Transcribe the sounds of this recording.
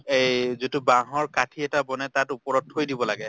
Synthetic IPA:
ejzitubaɦɔɹkatʰiɛtabɔnɛtatupɔɹɔthojdibɔlaɡɛ

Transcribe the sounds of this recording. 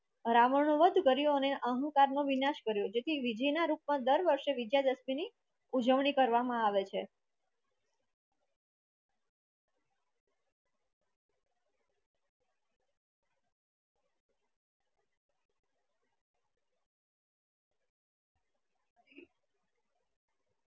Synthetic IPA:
ɾaməɾɳõʋəd̪ʱkəɾjoəneʔəɦũkaɾnõʋinaʃkəɾjod͡ʒet̪ʰiʋid͡ʒəjnaɾup̚mãd̪əɾʋəɾʃeʋid̪jad̪əsmini | ud͡ʒəʋɳikəɾʋamãaʋet͡ʃʰe

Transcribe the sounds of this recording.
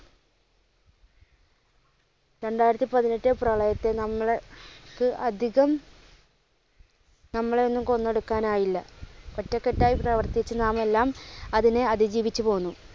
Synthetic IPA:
ɾe̞ɳɖaːjiɾɐt̪ːipɐðinetːɨprɐɭɐjɐt̪ːe̞nɐmːɐɭkɨɐd̪ʱiɣɐm | nɐmːɐɭo̞nːumko̞nːe̞ɽukːaːnaːjilːɐ̰kɐtːɐkːe̞tːaːjiprɐːʋɐrt̪it͡ɕːɨnaːme̞lːaːmɐðineɐðid͡ʑiːʋit͡ɕːupo̞ːunːu

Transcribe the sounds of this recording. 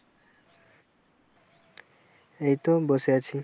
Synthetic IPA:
ejt̪obosjat͡ʃʰi

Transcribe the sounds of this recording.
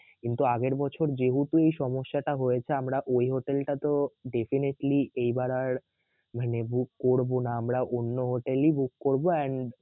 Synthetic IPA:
kint̪uaɡeɾbɔt͡ɕʰoɾd͡ʑeɦut̪uejʃɔmoʃːaʈaɦojet͡ɕʰeamɾaʔojɦoʈelʈat̪oɖefineʈliejbaɾaɾ | manebukːoɾbonaamɾaʔonːoɦoʈelibukːoɾboɛɳ

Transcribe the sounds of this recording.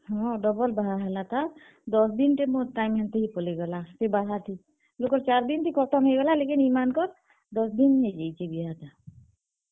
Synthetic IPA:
ɦɔ̃ɖɔbɔlbaɦaɦɛlat̪ʰa | d̪ɔsd̪inʈemoʈajmɦɛnt̪eɦipɔleɡɛlasebaɦat̪ʰi | lokɔɾt͡ʃaɾd̪int̪ʰikɔɾt̪ʰɔmɦeɡɛlalekinimankɔɾ | d̪ɔsd̪inɦed͡ʒajt͡ʃʰebiɦat̪ʰa

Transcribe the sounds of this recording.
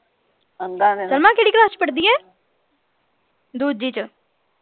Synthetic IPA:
əŋɡaəlmãːkeːɽiːklaːst͡ʃpəɽd̪iːɦɛ̃ː | d̪uːd̪̚d͡ʒiːt͡ʃə

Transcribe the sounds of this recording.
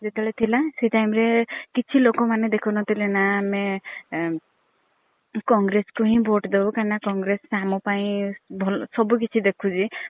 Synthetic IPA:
d͡ʒet̪eeɭet̪ʰilaseiʈajmɾekit͡ʃʰilokɔmaned̪ekʰunɔt̪ʰilenaːme | kɔŋɡɾeskuɦĩbʱoʈd̪ewkaɾnakɔŋɡɾessamɔpaĩbʱɔlsɔbuk̬it͡ʃʰid̪ekʰud͡ʒʰi

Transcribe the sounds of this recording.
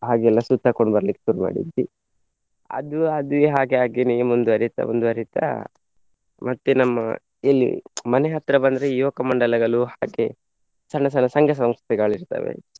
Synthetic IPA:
ɦaːɡɛlːɐsut̪ːakoɳɖbɐɾɐlikːe̥ʃuɾuma̰ːɽḭd̪ːi | ɐ̰d̪uɐd̪uɦaːɡeaːɡeniumund̪uɐɾit̪ɐ̰mond̪uɐɾit̪a̰ | mɐt̪ːenɐmːɐ̰ | ilːḭmɐneɦɐt̪ɾɐbɐnd̪ɾeijokɐmɐɳɖɐlɐɡɐɭuhaːɡe | sɐɳːɐs̬ɐnːɐsɐŋɡʱɐs̬ɐmst̪ʰɛɡɐɭiɾt̪ɐ̰ʋḛ

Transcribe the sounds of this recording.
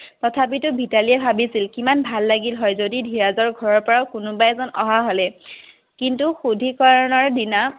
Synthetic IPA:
tɔtʰap̬itʊbʱitaliɛbʱabisilkimanbʱalːaɡilɦɔjzodidʱiɹazɔɹɡʱɔɹɔɹpɔɹaʊkʊnʊbajɛzɔnɔ̰ɦaɦɔlɛ | kintuxudʱikɔɹɔnɔɹdina

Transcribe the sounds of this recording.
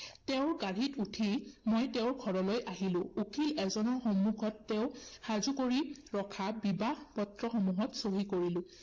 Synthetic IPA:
teʊɹɡaɹitutʰimojtɛʊɹɡʱɔɹɔlojʔaɦilʊ̃ukʰilɛzɔnɔɹxɔmuɡʱɔtːɛʊxazukoɹiɹɔkʰabibaxpɔtɹɔxɔmuɦɔtsoɦikoɹilʊ̃

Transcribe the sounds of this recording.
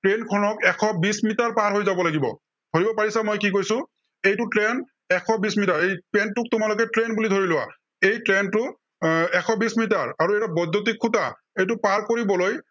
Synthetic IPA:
tɹenkʰɔnɔkɛkʰɔbismitaɹpaɹɦojzabɔlaɡibɔ̰ | d̥ʱoɹibɔpaɹisamojkikojsʊ̃ | ejtʊtɹen | ɛkʰɔbismitaɹejpɛntʊk̚tʊmalʊk̬ɛtɹenbulidʱoɹilʊwa̰ | ejtɹentʊ | ɛkʰɔbismit̬aɹaɹuɛtabɔdːot̬ikʰːuta̰ | ejt̬ʊpaɹkoɹibɔloj

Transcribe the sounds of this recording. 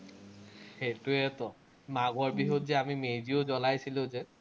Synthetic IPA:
xejtʊɛtɔ | maɡɔɹbiɦotzɛamimejziozɔlajsilʊ̃zɛ

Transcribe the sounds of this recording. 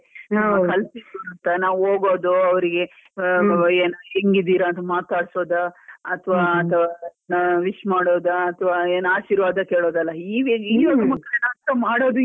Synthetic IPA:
ɐmɐkʰɐlsisuːɾɐnt̪ɐnaːʋuɦoːɡoːd̪oɐʋɐɾiɡe̞ | eːnaɦeŋɡid̪iːɾɐːnt̪ɐmaːt̪aːɽso̞ːd̪ɐɐt̪ʰɐʋaːɐt̪ʰɐʋanʋiʂmaːɽoːd̪ɐɐt̪ʰʋaːeːnaːʃiːɾʋaːd̪ɐkeːɭoːd̪ɐlːɐiːʋeiːjonɐmːɐkːɐɾɐnɐɐnt̪ɐmaːɽoːd̪u

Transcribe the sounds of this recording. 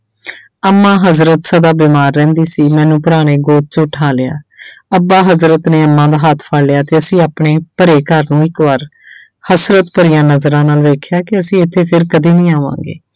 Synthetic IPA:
əmːãːɦəzɾət̪səd̪aːbiːmaːɾːɛ̃ːnd̪iːsiːmɛ̃ːnũːpʊɾaːneːɡoːt̪t͡ʃʊʈʰaːlea̰ːəbaːɦəzɾət̪nẽːəmːãːd̪aːɦət̪ʰpʰəːɽlɪjaːt̪eːəsĩːaːpɳeːpəɾeːkəɾnũːɪkʋaːɾ | həsɾət̪pəɾijãːnəzɾãːnaːlʋeːkʰjaːkɪəsĩːɪt̪ʰːeːpʰɪɾkəd̪iːnĩːaːʋã̰ːŋɡḛː

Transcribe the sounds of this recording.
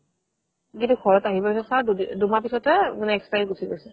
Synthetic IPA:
kĩntukʰɔɹɔtaɦibɔpisɔtsadddumapisɔtɛmnɛkspajdɡusʰibɔsɛ

